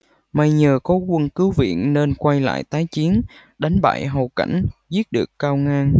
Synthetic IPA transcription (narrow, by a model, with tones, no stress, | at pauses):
ma˧jɲəː˨˩kɔ˨˦kwə˧nkɨ˨˦wvḭ˧˨ənne˧nkwa˧jla̰ː˧˨jt̪aː˨˦jt͡ɕi˨˦ən | ɗa˨˦jŋ̟ɓa̰ː˧˨jɦo˨˩ka̰˧˩jŋ̟zi˦˥ət̚ɗɨ˨˩əkːaː˧wŋaː˧ŋ